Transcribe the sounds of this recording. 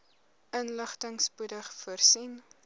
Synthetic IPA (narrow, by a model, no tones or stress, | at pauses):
ʔənləχtəŋspudəχfuərsin